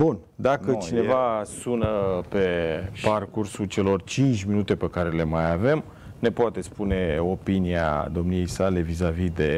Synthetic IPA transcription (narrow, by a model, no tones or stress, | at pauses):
bun | d̪akət͡ʃine̞vasunəpe̞parkursult͡ʃe̞lo̞rt͡ʃint͡ʃʲminut̪e̞pe̞kaɾe̞le̞majave̞m | ne̞poat̪e̞spune̞o̞pinia̰d̪o̞mnije̞jsale̞vizavid̪e̞